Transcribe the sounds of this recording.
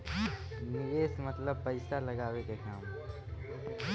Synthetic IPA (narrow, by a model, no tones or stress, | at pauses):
nɪɾeːsmət̪ləb̚pəɪsaləɡaːwekekaːm